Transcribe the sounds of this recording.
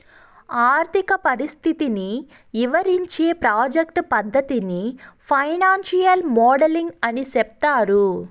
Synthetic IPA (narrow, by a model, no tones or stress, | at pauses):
aːɾt̪ʰikɐpɐɾist̪ʰit̪ini | ʋiʋɐɾiɲt͡ʃeːpɾaːd͡ʒekʈpɐd̪ʱːɐt̪inipʰɐjnaːnʃijɐlmɔːɖɐliŋɡɐnisɛp̚t̪aːɾu